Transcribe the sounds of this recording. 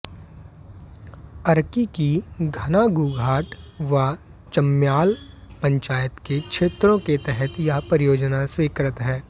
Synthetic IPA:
ɐɾkikiɡʱɐnaɡuːɡʱaːʈʋa | t͡ʃɐmjaːlpɐ̃ɲt͡ʃaːjət̪kekʃʰeːt̪ɾõket̪ɛɦɛt̪japɾɪjoːd͡ʒnaswɪkɾɪt̪ɦɛː

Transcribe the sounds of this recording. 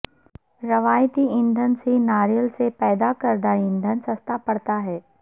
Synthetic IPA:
ɾɐʋaːjt̪iɪ̃nd̪ʱənsinaːɾjəlsepɛːd̪akəɾd̪aɪ̃nd̪ʱənsɐst̪apɐɽt̪aɦɛː

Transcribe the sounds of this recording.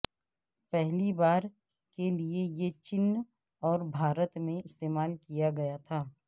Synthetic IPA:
pɛɦlibaːɾ | keliejet͡ʃɪn | ɔːɾbʱaːɾət̪mẽɪst̪eːmaːlkijaɡɐjat̪ʰaː

